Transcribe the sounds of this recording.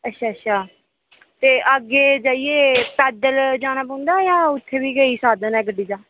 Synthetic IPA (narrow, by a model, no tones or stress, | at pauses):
ətːʃʰaːətːʃʰaː | t̪eːʔəɡeːd͡ʒaːieːpɛːd̪əld͡ʒaːñaːpə̃nd̪aːjãːʊt̪ʰːeːʋiːɡəiːsaːd̪ənɛːɡəɖiːd͡ʒaː